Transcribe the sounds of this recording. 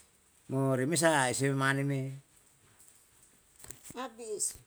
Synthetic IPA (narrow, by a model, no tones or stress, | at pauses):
moɾimes̬ais̬ememaneme | abis